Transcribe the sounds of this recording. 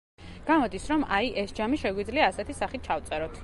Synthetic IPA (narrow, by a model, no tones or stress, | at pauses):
ɡ̥amɔd̪isɾɔmajʔɛsd͡ʒamiʃɛɡwid̪zliaːsɛt̪ʰisaχit̪̚t͡ʃʰaft̪sʼɛɾɔt̪ʰ